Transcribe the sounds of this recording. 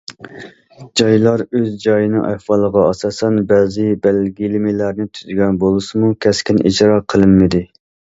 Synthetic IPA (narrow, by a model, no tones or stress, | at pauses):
d͡ʒɑjlˠɑɾøzd͡ʒɑjɨnɨŋʔɛwɑlˠəʁɑɑsɑːsɛnbɛːzɪbɛlɡʲilɪmilæɾnɪt̪ʰyzɡʲɛnbolˠɨsɨmukʲʰɛskʲinʔḭd͡ʒɾɑːqʰəlˠɨmːɪd̪ɪ